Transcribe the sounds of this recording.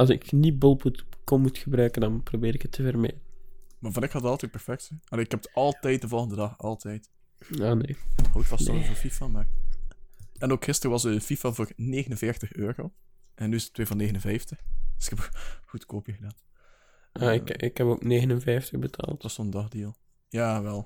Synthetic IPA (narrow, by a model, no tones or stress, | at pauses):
ɑlˠsɪknibolˠputkommutxəbɾœɥkəndɑnprobɪːɾɪkətʰːəvərmḛdənmaːɹvɑnɪkhɑtətɑlˠtɛt̚pɛrfɛk̚tsɛɑleːɪkhɛpə̥tɑlˠtɛjt̚dəvɔlˠɣəndədɑxɑlˠtʰɛjt | aːneːhoːɪtʋɑsɛlvəfifamar | ɛnoːkxɪstərəʋɑzəfifavoːneːɣənənvɪrtəxøːro | ʔɛnːyɪsə̥tʰːweːvɑnːeːɣənənvɛjftəxd̥əsɪkɛpxutkoːpiɣədaːt | ʔaɪɪkhɛpoːkneːɣənənvɛjftəɣbətʰa̰ːlˠtʋɑsoəndɑxdilˠ | jaːʋɛlˠ